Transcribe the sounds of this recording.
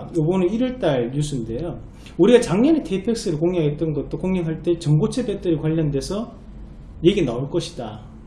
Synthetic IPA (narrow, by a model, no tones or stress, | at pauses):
jobʌnɯiɾʌɭt͈aɭɲus͈ʰunde̞jo | uɾiɡat͡ɕaŋɲʌnetʰe̞pʰjek̚s͈ɯɾɯɭkoŋɦaɡet̚t͈ʌnɡʌt̚t͈okoŋeŋɦaɭt͈e̞t͡ɕʌŋɡot͡ɕʰebet͈ɯɾikwaʎːʌnde̞sʰʌ | je̞ɡinaoɭk͈ʌɕʰi̥da